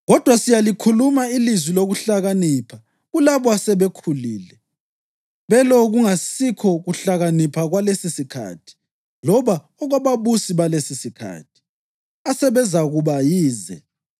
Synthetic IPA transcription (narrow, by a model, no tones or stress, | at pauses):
ɣɔd̥ʱwasijalikʰulumailizwiloɣuɬaɣaniːpʰa | ɣulaβɔasɛβekʰuliːlɛ | βɛlɔɣuŋasikʰɔɣuɬaɣanipʰaɣwalesisikʰa̰ːtʰi̥ | lɔβa | ɔɣaβaβusiβalesisikʰa̰ːtʰi̥ | asɛβɛzʱaɣuβajiːzɛ̰